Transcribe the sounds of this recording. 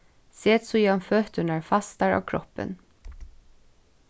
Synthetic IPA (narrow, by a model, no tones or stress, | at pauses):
seːt̪sɔjiːɑnføːt̪əɳəɹfɑst̪æɹɑ̰ːkʰɾɔ̰pə̰n